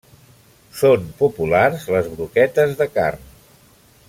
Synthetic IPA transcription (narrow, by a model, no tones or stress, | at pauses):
sompupularzləzβɾukɛt̪əzðəka̰rn